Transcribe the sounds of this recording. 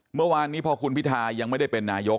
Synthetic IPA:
mɯ˥˩waː˧nːiː˦˥pʰɔ˧kʰu˧npʰi˦˥t̪ʰaː˧ja˧ŋma˥˩jda˥˩jpe˧nːaː˧jo˦˥k

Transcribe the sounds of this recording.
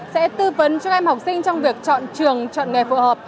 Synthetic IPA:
sɛ̰˧˥t̪ɨ˧və˨˦nt͡ɕɔ˧ʔɛ˧mha˨˩wk͡p̚sï˧ŋ̟t͡ɕɔ˧wŋ͡mvi˨˩ək̚t͡ɕɔ̰˧˨nt͡ɕɨ˨˩əŋt͡ɕɔ̰˧˨nŋɛ˨˩fṵ˧˩həː˨˩p̚

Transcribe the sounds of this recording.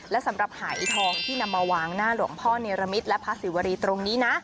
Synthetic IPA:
lɛ˦˥sa˨˩˦mɾa˨˩p̚haː˩˦jt̪ʰɔː˧ŋt̪ʰiː˥˩na˧mːa˧waː˧ŋnaː˥˩lu˨˩əŋpʰɔː˥˩neː˧ɾa˧mi˦˥t̪̚lɛ˦˥pʰa˦˥si˨˩˦wa˧ɾiː˧t̪ɾo˧ŋniː˦˥na˦˥ʔ

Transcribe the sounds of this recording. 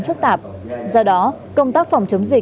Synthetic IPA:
nfɨ˦˥k̚t̪aː˨˩p̚ | zɔ˧ɗɔ˨˦ | kə˧wŋ͡mt̪aː˦˥k̚fɔ˨˩wŋ͡mt͡ɕə˨˦wŋ͡mzï˨˩

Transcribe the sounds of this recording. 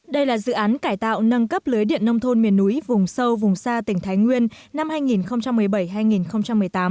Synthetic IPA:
ɗə˧jlaː˨˩zɨ̰˧˨ʔaː˨˦nkaː˧˩jt̪a̰ː˧˨wnə˧nkə˦˥p̚lɨː˨˦jɗḭ˧˨ənːə˧wŋ͡mt̪ʰo˧nmi˨˩ənːu˨˦jvʊ˨˩ŋ͡msə˧wvʊ˨˩ŋ͡msaː˧t̪ï˧˩ŋt̪ʰaː˨˦jŋwi˧ənː | a˧mhaː˧jŋi˨˩nxə˧wŋ͡mt͡ɕa˧mːɨ˨˩əjɓə˧˩jɦaː˧jŋi˨˩nxə˧wŋ͡mt͡ɕa˧mːɨ˨˩əjt̪aː˨˦m

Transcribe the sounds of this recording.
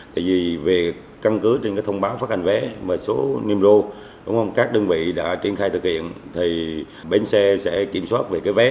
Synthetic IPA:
t̪a̰ː˧˨jvi˨˩ve˨˩ | ka˧nkɨ˨˦t͡ɕe˧nkaː˨˦jt̪ʰə˧wŋ͡mɓaː˨˦wfaː˦˥t̚ha˨˩ŋ̟vɛ˨˦maː˨˩so˨˦ni˧mzo˧ | ɗʊ˨˦ŋ͡mhə˧wŋ͡mkaː˦˥k̚ɗə˧nvḭ˧˨ɗa̰ː˧˥t͡ɕḭ˧˩ənxaː˧jt̪ʰɨ˨˩k̚hḭ˧˨ənt̪ʰi˨˩ | ɓe˨˧˩nsɛ˧sɛ̰˧˥ki˧˩əmswaː˦˥t̚ve˨˩kaː˨˦jvɛ˨˦

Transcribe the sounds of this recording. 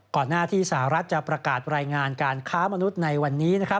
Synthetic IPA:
kɔː˨˩nːaː˥˩t̪ʰiː˥˩sa˧˩ha˨˩ɾa˦˥t̪̚t͡ɕa˨˩pɾa˧kaː˨˩t̪̚ɾaː˧jŋaː˧nkaː˧nkʰaː˦˥ma˧nu˦˥t̪̚na˧jwa˧nːiː˦˥na˦˥kʰa˦˥p̚

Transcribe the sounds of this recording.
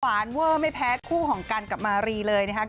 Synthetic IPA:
aː˩˦nwɤː˥˩ma˥˩jpʰɛː˦˥kʰuː˥˩kʰɔː˩˦ŋka˧nka˨˩p̚maː˧ɾiː˧lɤː˧jna˦˥kʰa˦˥

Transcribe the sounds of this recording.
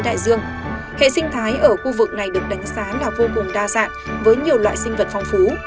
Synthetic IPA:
ɗa̰ː˧˨jzɨ˧əŋ | hḛ˧˨sï˧ŋ̟t̪ʰaː˨˦jʔəː˧˩xu˧vɨ˨˩k̚na˨˩jɗɨ˨˩ək̚ɗa˨˦ŋ̟saː˨˦laː˨˩vo˧ku˨˩ŋɗaː˧sa̰ː˧˨nvəː˨˦jɲi˨˩əwlwa̰ː˧˨jsï˧ŋvə˨˩t̚fa˧wŋ͡mfu˨˦

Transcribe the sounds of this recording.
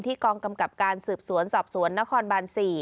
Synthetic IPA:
nt̪ʰiː˥˩kɔː˧ŋka˧mka˨˩p̚kaː˧nsɯː˨˩p̚su˩˦ənsɔː˨˩p̚su˩˦ənːa˦˥kʰɔː˧nbaː˧nsiː˨˩

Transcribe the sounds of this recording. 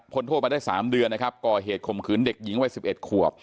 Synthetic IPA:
kʰo˧nt̪ʰo˥˩m˧daː˥˩jsaː˩˦mdɯ˧ənːa˦˥kʰa˦˥p̚kɔː˨˩ɦeː˨˩t̪̚kʰo˨˩mkʰɯː˩˦nde˨˩k̚ji˩˦ŋwa˦˥jsi˨˩p̚ʔe˨˩t̪̚kʰu˨˩əp̚

